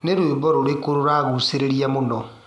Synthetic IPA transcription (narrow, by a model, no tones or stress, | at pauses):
neɾwebɔɾoɾekoɾoɾaɣuseɾeɾiamonɔ